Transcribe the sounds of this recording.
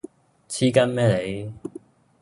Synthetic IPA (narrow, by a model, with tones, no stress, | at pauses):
t͡sʰiː˥kɐ˥nmɛː˥le˨˧j